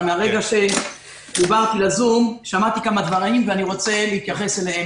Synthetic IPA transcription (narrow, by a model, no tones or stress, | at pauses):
meaʁe̞ɡaʃe̞ | d̪ubaʁt̪ilazumʃamat̪ikamad̪vaʁimveaniʁo̞t͡se̞leit̪jaχe̞selehe